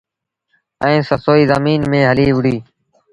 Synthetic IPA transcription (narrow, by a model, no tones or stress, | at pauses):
ə̃ːsəsoːiːzəmiːnmẽːɦəliːʋɪɽiː